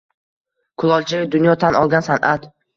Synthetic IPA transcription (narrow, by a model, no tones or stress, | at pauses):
kʰʊlˠɒlˠt͡ʃʰaɪd̪ʊnjɒt̪ʰanɒlˠɡʲansanʔat̪